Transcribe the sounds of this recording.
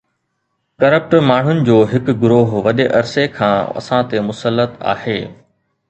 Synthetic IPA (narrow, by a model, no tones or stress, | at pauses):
kɐɾəp̚ʈmaːɳ̤ʊnɪ̆d͡ʑoːɦɪkɡʊɾoːɦʋɐɗeʔɐɾsekʰãːɐ̰sãt̪emʊsəlːət̪a̰ːheː